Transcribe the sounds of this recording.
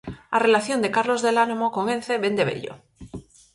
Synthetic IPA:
are̞laθjo̞nd̪e̞kaɾlo̞zðelanomokoŋenθe̞βe̞nd̪e̞βḛʎo̰

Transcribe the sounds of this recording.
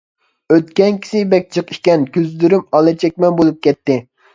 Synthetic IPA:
øt̪kʲɛnkʲʰi̥sɪbɛk̚ʲt͡ʃʰəqi̥ʃkʲɛnkʲyzd̪yɾymɑlˠɨt͡ʃʰɛkʲmɛnbolˠup̚kʲɛt̪ːɪ

